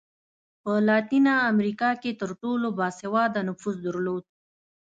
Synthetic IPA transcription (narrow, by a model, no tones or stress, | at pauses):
pəlɑt̪inɑːmɾikɑket̪əɾʈolobɑsewɑd̪anʊfuzd̪əɾlod̪̚